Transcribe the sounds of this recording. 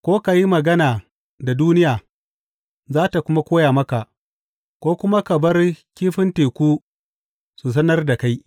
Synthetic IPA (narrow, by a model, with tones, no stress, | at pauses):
kʷoː˦ka˨ji˦mɐ˨ɡɐ˦naː˨ | da˨duː˦nɪ˦jaː˨ | zaː˦ta˨kʷʊ˦ma˦kʷoː˦jaː˨mɐ˦ka˨ʔ | kʷoː˦kʷʊ˦ma˦kɐ˨bɐ˦rkʲiː˦ɸɪ˦nteː˨kʷuː˦ | su˨s̬ɐ˦nɐ˦rda˨ka˦j